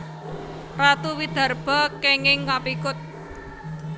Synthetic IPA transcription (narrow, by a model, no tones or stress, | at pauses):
rat̪uwid̪̥a̤rb̥a̤keŋɪŋːapikʊt̪̚